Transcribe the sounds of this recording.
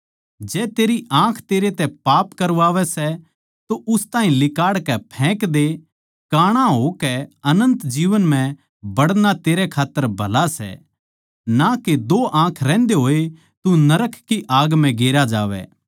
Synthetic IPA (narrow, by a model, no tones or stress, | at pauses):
d͡ʒɛːt̪eːɾiʔãːkʰt̪eːɾet̪ɛpaːpkɐɾʋaːʋɛsɛ | t̪oʔʊst̪aːɦĩlɪkaːɽkɛpʰɛ̃ːkd̪e | kaːɽ̃aɦokɛɐnə̃nt̪d͡ʒiːʋənmɛ̃ | bɐɽnat̪eːɾɛkʰaːt̪ːəɾbʱɐlasɛ̰ | naked̪oʔãːkʰɾɛ̃ːnd̪eɦoːe | t̪unɐɾəkʰkiʔaːɡm̤ɛ̃ɡeːɾad͡ʒa̰ːʋɛ̰ː